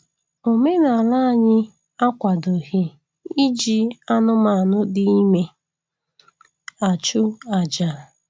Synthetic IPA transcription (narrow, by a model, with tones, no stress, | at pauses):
o˨me˦na˨la˦˨ɲɪ˦ | a˦kʷa˨do˨ɣi˦ | i˦d͡ʒi˦a˦nʊ˦ma˨a˨nʊ˦dɪ˦i˦me˨ | a˨t͡ʃʊ˦a˨d͡ʒa˨